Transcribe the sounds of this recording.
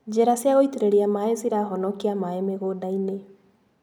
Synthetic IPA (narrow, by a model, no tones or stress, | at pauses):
d͡ʒeɾasiaɣoiteɾeɾiamaeziɾaɦɔnɔkiamaemeɣodaine